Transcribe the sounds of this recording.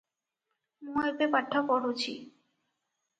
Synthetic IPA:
mũepepaʈʰːapɔɽot͡ɕʰḭ

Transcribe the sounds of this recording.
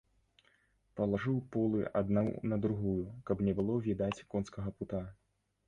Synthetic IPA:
pɐlˠaʐɨwpɔlˠɨʔad̪nawnɐd̪ɾuɣujukɐbnʲɛbɨlˠɔvʲid̪at͡sʲkɔnskɐɣɐput̪a

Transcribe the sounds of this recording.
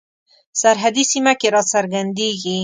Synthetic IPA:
saɾɦad̪isimakeɾɑsaɾɡand̪eɡi

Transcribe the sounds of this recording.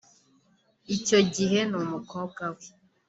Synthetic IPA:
it͡ʃoɟiɦenumukʰɔkawe

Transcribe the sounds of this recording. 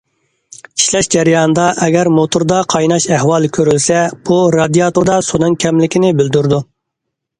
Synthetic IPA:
i̥ʃlɛʃd͡ʒɛɾjɑnɨd̪ɑʔɛɡʲæɾmot̪ʰʊɾd̪ɑqʰɑjnɑʃɛɦwɑlˠkʲʰøɾylsɛb̥uɾɑd̪ijɑt̪uɾd̪ɑsonɨŋkʲʰɛmlɪkʲɪnɪbyld̪yɾd̪u

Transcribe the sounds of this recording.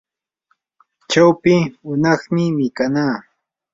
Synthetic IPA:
t͡ʃawpɪʊnɑχmɪmɪkanaː

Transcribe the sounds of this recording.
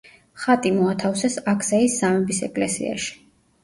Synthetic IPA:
χat̪ʼimɔat̪ʰafsɛsakʰʼsaisːamɛbisɛ̰kʼlɛ̰sḭa̰ʃi̥

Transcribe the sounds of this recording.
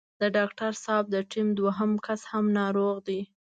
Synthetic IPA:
d̪əɖɑkʈaɾsɑb̚d̪əʈimd̪waɦəmkashamnɑɾoɣd̪i

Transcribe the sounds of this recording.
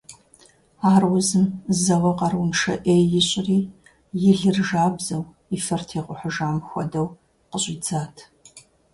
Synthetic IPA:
aːrwʊzɨmzɐʁɐqɑrwʊnʂɐ̰ʔeːjjɪɕʼɪriː | jɪɮɨrʒaːbzɐw | ifɐrtʰeːqʷʼʊħʷʊʒaːmxʷɔdɐw | qəɕʼɪd͡zaːtʰ

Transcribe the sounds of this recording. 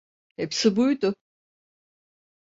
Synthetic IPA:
hepsibujd̪ʊ

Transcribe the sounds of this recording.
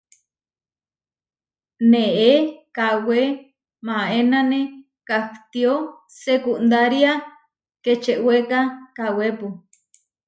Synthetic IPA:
neekawe | mãenane | kakt̪io | sekuʔnd̪aɾia | ket͡ʃeʔwekakawepu

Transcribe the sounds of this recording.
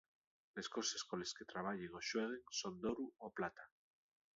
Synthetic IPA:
leskoseskolesket̪ɾaβ̞aʎeŋoʃweð̞eŋsond̪oɾuoplat̪a

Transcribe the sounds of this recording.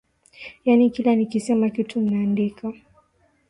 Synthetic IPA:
janikilanikisɛmakitʰum̩naːndikʰa

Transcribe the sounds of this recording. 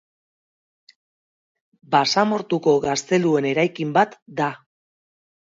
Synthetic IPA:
basamo̞ɾt̪uko̞ɣast̪e̞lue̞ne̞ɾajkimbat̪d̪a

